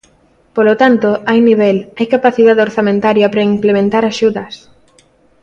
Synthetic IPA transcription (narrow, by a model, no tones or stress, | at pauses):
polot̪ant̪oajniβ̞ɛlajkapaθiðaðeoɾθamẽnt̪aɾjapɾaimplemẽnt̪aɾaʃuðɐs